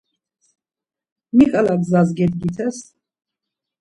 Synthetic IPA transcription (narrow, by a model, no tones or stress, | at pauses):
mikʼalaɡ̪zazɡɛd̪ɡit̪ʰɛs